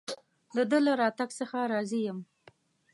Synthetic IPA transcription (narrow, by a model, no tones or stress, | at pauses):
d̪əd̪əlaɾɑt̪aɡsəxaɾɑzijəm